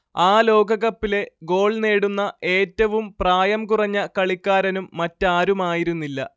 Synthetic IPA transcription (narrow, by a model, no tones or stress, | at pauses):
aːlo̞ːɡɐɣɐpːile̞ɡo̞ːɭne̞ːɽunːɐʔe̞ːtːɐʋumpraːjɐmkurɐɲːɐkɐɭikʲːaːɾɐnumːɐtːaːɾumaːjiɾunːilːɐ̰